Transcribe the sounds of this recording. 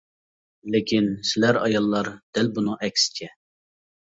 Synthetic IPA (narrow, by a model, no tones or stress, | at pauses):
lɪkʲʰinsɪlæɾɑ̰jɑlˠːɑɾd̪̥ɛlbunuʔɛkʲsɪ̥t͡ʃʰɛ